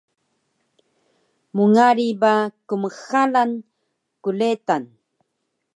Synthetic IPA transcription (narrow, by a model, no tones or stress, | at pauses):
muŋaɾibakuməxalan | kuletan